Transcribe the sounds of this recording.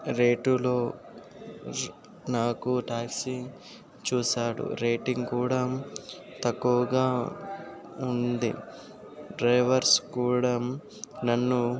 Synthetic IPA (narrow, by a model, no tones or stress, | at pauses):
ɾeːʈulo̞ː | naːkuʈaːksiŋ | t͡ʃuːsaːɽṵɾeːʈiŋɡkuːɽa | t̪ɐkːuʋɐɡaː | und̪ḭ | ɖɾɐjʋɐɾskuːɽa | nɐnːu